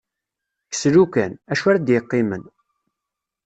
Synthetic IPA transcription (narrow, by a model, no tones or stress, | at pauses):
ksɾukænæʃæɾad̪jəqːɪmən